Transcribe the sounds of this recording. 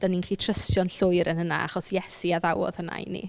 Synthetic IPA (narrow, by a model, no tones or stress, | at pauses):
d̥aninɬlitʰrəstjɔnɬʊɨɾənhəna̰a̰χɔsjɛsiaðawɔ̰ð̥həna̰nḭ